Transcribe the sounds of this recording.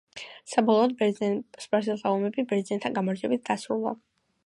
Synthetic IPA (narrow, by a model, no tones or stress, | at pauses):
sabɔlˠɔːd̪bɛsbaɾs̬ɛlt̪ʰaɔmɛbibɛɾd̪zint̪ʰanɡamɔɾd͡ʒiɛbit̪̚d̪̥asɾulˠa̰